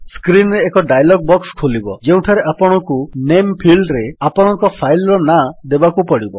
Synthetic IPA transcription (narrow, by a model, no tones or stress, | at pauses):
skɾinɾeːkɔɖajlɔɡ̚bɔkskʰolibɔd͡ʒeũʈʰaɾeʔapɔɽ̃ɔkunempʰilɖɾeapɔɽ̃ɔŋkɔpʰajlɾɔnad̪ebakupɔɽibɔ